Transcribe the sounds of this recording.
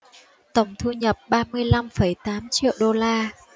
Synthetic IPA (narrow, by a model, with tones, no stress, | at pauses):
t̪ə˧˩wŋ͡mt̪ʰu˧ɲə˨˩p̚ɓaː˧mɨ˧əjla˧mfə˧˩jt̪aː˨˦mt͡ɕḭ˧˨ə˨wɗo˧laː˧